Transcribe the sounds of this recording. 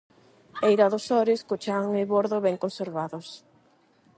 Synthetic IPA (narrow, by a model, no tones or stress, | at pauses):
ejɾaðʊsɔɾɪskot͡ʃaŋɪβoɾðoβɛŋkonseɾβaðʊs